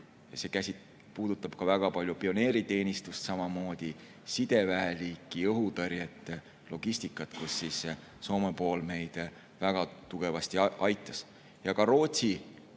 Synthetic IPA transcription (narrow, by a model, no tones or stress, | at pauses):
jɑse̞kæsit̪ | puːd̪̥ut̪ːˑɑb̥kɑvæɡ̥ɑpɑlʲjupio̞ne̞ːɾit̪e̞ːnʲist̪ust̪sɑmɑmo̞ːd̪̥i | sid̪̥e̞væeliːkːˑiɤɦut̪ɤrjet̪ːˑe | lo̞ɡ̥isʲt̪ikˑːɑt̪kusːis | so̞ːmepo̞ːlme̞jd̪̥ | væɡ̥ɑt̪uɡ̥e̞vɑst̪iʔɑjt̪ːˑɑs | jɑkɑɾo̞ːt̪ʲsi